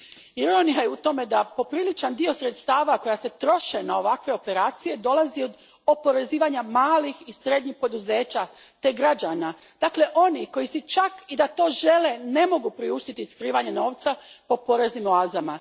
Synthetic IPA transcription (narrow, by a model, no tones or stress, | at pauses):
iɾonijajeut̪o̞me̞d̪apo̞pɾilit͡ʃand̪io̞sɾe̞t̪st̪aːʋako̞jase̞t̪ɾo̞ʃenao̞ʋakʋe̞o̞pe̞ɾaːt̪sije̞d̪o̞lˠazio̞d̪ | o̞po̞ɾe̞ziːʋaɲamaːlixisɾe̞d̪ɲixpo̞d̪uze̞ːt͡ɕa | t̪e̞ɡɾad͡ʑana | d̪̥akle̞ʔo̞niko̞jisit͡ʃakid̪at̪o̞ːʒe̞le̞ne̞mo̞ɡupɾiuʃt̪it̪iːskɾiːʋaɲe̞no̞ːʋt̪sapo̞po̞ɾe̞znimoaːzama